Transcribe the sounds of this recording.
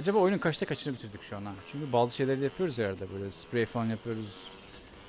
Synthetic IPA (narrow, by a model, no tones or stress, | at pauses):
ad͡ʒabaːo̞jnunkʰaʃt̪ʰakʰat͡ʃʰɯnabit̪ʰiɾd̪icʃuanat͡ʃʰyɲcybaːzɯʃe̞jlʲeɾijapʰɯjo̞ɾuzaɾaɾd̪abø̞jlʲɛspɾejfalˠanjapʰɯjo̞ɾuz̥